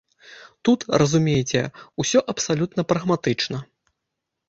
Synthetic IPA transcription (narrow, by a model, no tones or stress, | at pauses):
t̪ut̪rʔɐzumʲejt͡sʲɛ̰usʲɔʔɐpsalʲut̪nɐpɾɐɣmat̪ɨt͡ʂnɐ